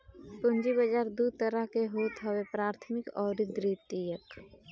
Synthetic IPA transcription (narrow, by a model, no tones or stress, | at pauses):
pʊ̃ɲd͡ʒibəd͡ʒaːɾd̪ud̪̚t̪əɾəɦkeɦoːt̪ɦəwepɾaːɾt̪ʰmɪkɔːɾid̪ɾiːt̪ːijək